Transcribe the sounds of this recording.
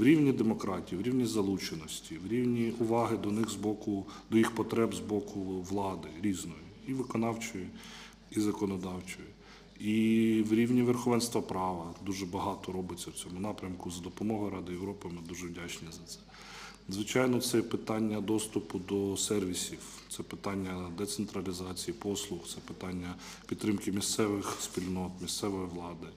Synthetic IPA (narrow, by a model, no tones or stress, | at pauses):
wɾʲiwnʲid̪emɔkɾɑtʲijiwɾʲiwnʲizɐlˠut͡ʃenɔsʲtʲiwɾʲiwnʲiʊʋɑɦɪd̪ɔnɪxzbɔkʊd̪ɔjixpɔt̪ɾɛbzbɔkʰʊʋlˠɑd̪ɪɾʲiznɔjiiʋɪkɔnɑwt͡ʃɔji | izɐkɔnɔd̪ɑwt͡ʃɔji | iwɾʲiwnʲiʋerxɔʋɛnst̪ʋɐpɾɑʋɐd̪uʒɛbɐɦɑt̪ɔɾɔbɪt͡sʲːɐwt͡sʲɔmʊnɑpɾʲɐmkʊzɐd̪ɔpɔmɔɦɔjɾɑd̪ɪjeʋɾɔpɪmɪd̪uʒɛwdʲat͡ʃnʲizɐt̪sɛ̥ | zʋɪt͡ʃɑjnɔt̪sɛpɪt̪ɑnʲːɐd̪ɔst̪ʊpʊd̪ɔsɛrʋʲisʲiw | t̪sɛpɪt̪ɑnʲːɐd̪ɛt̪sent̪ɾɐlʲizɑt͡sʲijipɔslˠʊxt̪sɛpɪ̥t̪ɑnʲːɐ | pʲid̪ːɾɪmkɪmʲist̪sɛʋɪxspʲilʲnɔt̪mʲist̪sɛʋɔjiʋlˠɑd̪ɪ